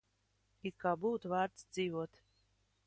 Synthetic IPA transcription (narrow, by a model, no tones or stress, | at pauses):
ikabuwt̪vaːɾt̪sd̪ziːvuɔt̪